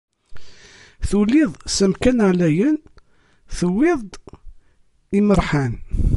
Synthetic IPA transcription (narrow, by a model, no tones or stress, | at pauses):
θulːɪðˤsəmkænʕlæjən | θəwːɪðˤ | iməɾˤħan